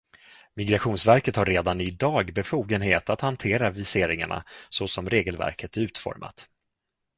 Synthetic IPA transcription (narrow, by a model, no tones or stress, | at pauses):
mɪɡɾaɧuːnsvæɾkət̪haɾːeːd̪anɪd̪ɑːɡbɛfuːɡənheːt̪at̪hant̪ʰeːɾavɪseːɾɪŋa̰ɳa̰sɔsɔmɾeːɡəlvæ̰ɾkʰət̪æɾʉ̟ːt̪fɔ̰ɾmʔa̰t̪